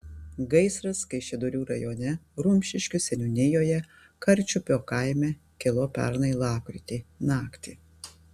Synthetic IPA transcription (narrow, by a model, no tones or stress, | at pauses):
ɡɐɪsɾɐskɐɪʃʲɛd̪ʊɾʲuːɾɐ̰joːnʲɛɾʊmʲʃʲɪʃʲkʲʊsʲɛnʲʊnʲɪjoːjɛ | kɐɾʲt͡ʃʲʊpʲoːkɐɪmʲɛ | kʲɛlˠoːpʲɛ̰ɾnɐɪlˠɑːpʲɾʲɪt̪ʲeːnɑːkt̪ʲiː